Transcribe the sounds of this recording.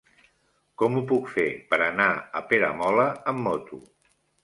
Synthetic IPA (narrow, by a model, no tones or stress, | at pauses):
kɔmupukfepəɾənaəpeɾə̰mɔləəmːɔt̪u